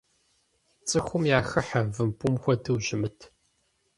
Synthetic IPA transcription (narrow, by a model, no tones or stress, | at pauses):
t͡sʼɨxʷʊmjaːxɐħavɨmpʰʼʊmxʷɔdɨwʒɪmɨtʰ